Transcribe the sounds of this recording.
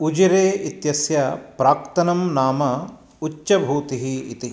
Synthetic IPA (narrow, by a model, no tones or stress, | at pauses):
ud͡ʒiɾeːit̪jɐsjɐpɾaːkt̪ɐnɐmnaːmɐ | ut͡ʃʃɐbʱuːt̪iɦḭːt̪i